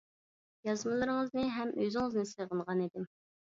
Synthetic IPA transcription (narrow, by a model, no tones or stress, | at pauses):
jɑzmɨlˠɨɾɨŋəznɨɦɛmʔøzɪŋɨznɨsəʁənʁɑnid̪ɪm